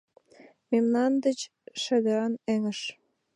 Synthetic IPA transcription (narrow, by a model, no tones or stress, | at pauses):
memnɑnd̪ə̆t͡ɕ | ʃə̆d̪əɾɑneŋə̆ʃ